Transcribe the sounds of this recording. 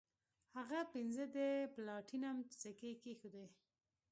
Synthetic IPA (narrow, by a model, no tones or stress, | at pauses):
haɣapinzəd̪eplɑʈʰinamt͡sakekexud̪e